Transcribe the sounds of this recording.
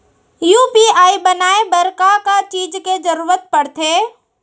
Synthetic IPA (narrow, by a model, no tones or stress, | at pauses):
juːpiaːibənaːebɐɾkakat͡ʃiːd͡ʒked͡ʒəɾuːɾət̪̚pɐɽt̪ʰeː